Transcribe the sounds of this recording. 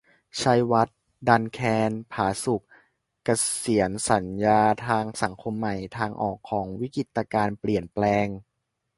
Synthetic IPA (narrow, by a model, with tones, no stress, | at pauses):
t͡ɕʰa˧jwa˦˥t̪̚ | da˧nkʰɛː˧npʰaː˩˦su˨˩k̚ː | a˧si˩˦ənsa˩˦njaː˧t̪ʰaː˧ŋsa˩˦ŋkʰo˧mːa˨˩jt̪ʰaː˧ŋʔɔ̰ː˨˩kʰːɔː˩˦ŋwi˦˥ki˨˩t̪ːa˧kaː˧npli˨˩ənplɛː˧ŋ